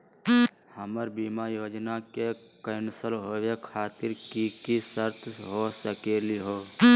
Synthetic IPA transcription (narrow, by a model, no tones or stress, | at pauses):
həməɾbiːmajoːd͡ʒnakekəɪnsəlɦoːʋekʰaːt̪ɪɾkikisəɾt̪ʰɦosəkeːliɦoː